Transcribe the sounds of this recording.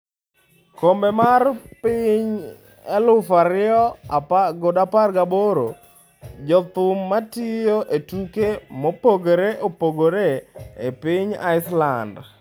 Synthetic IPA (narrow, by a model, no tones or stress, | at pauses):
kombemarpɪɲ | elʊfaɾɪɔɡodaparɡaboɾo̰ | d͡ʒɔt̪ʊmːatɪjoʔetukemopoɡeɾeʔopoɡoɾeepɪɲa̰ɪsland